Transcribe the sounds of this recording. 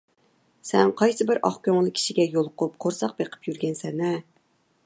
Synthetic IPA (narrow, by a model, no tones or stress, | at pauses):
sɛŋqʰɑjsɨbɪɾʔɑ̰χkʲøŋlˠɨkʲʰi̥ʃiɡʲɛjolˠʊqʰʊp̚qʰoɾsɑq̚beqʰə̥pjyɾɡʲɛnsɛnɛ